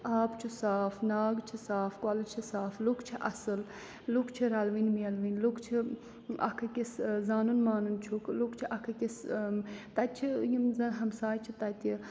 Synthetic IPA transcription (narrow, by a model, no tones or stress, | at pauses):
aːpt͡ʃʰusaːfnaːɡt͡ʃʰisaːfkaːlɐt͡ʃʰisaːflukt͡ʃʰiʔɐsɨl | lukʰt͡ʃʰiɾɐlʋinmiɐlʋinlukʰt͡ʃʰi | ɐ̰kʰɐkʲiszaːnunmaːnunt͡ʃʰuklukt͡ʃʰiʔɐkʰɐkis | t̪ɐt̪̚t͡ʃʰijimzɐnɦɐmsaːjt͡ʃʰit̪ɐt̪i